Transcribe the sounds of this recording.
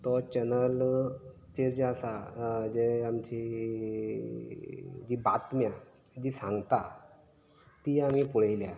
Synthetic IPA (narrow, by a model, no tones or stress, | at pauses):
t̪ɔt͡ɕɛnəl | t͡ɕeɾd͡ʑasad͡ʑeamt͡ɕi | d͡ʑiːbat̪mja | d͡ʑiːsãŋɡt̪a | t̪iːam̤ipuɽ̤ejlja